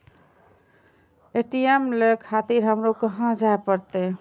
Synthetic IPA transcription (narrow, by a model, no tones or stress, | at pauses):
eʈiemlekʰat̪iɾɦəmɾokəɦãd͡ʒaepəɾt̪e